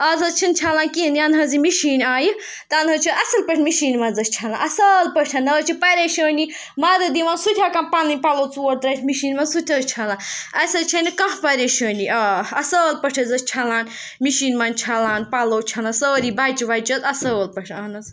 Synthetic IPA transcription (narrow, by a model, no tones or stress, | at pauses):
ɐzɐt͡ʃʰint͡ʃʰalãːnkiənd̪iɐnɦɐzimiʃiːnʲaːji | t̪ɐnɦɐt͡ʃʰiɐsɐlpəʈʰmiʃiːnmaːnzɐst͡ʃʰalãːnʔɐsəːlpəʈʰɐnɐt͡ʃʰipɐɾʲeːʃəːni | maːd̪ɨd̪iʋãːnsut̪ʲʰaːkanpalinʲpaloːt͡suɾd̪ɾɐt͡ʃʰmiʃiːnmaːnsut̪ʰʲɐt͡ʃʰalãːnɐsɐt͡ʃʰɐnikɐ̃ɦpɐɾʲeʃəːniɐɐsəːlpəʈʰɐzɐt͡ʃʰalaːn | miʃiːnmaːnt͡ʃʰalaːnpaloːt͡ʃʰalãːnsəːɾibaːjt͡ʃiʋaːjt͡ʃɐt̪ɐsəːlpəʈʰaːnɐz